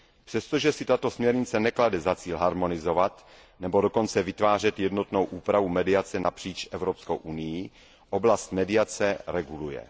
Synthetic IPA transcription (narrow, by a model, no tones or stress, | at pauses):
pr̥ɛst̪oʒɛsɪt̪at̪o̞smɲɛɾɲɪt͡sɛnɛkladɛzat͡siːlɦaɾmo̞nɪzo̞vat̪ | nɛbo̞do̞ko̞nt͡sɛvɪt̪vaːr̝ɛt̪jɛdno̞t̪no̞wʔuːpɾavumɛdɪat͡sɛnapr̝̥iːt͡ʃʔɛvɾopsko̰wʔunɪjɪ | ʔoblast̪mɛdɪat͡sɛɾɛɡulujɛ̰